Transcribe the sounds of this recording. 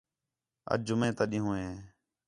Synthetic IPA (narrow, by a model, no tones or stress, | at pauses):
ə̰d͡ʒʊmẽːt̪əɗɪ̃ːɦũːẽː